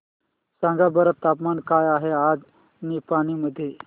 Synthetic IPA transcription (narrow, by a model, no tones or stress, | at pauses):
sãŋɡabəɾət̪ːapmankajaɦead͡z | niːpaɽ̃iməd̪ʱːje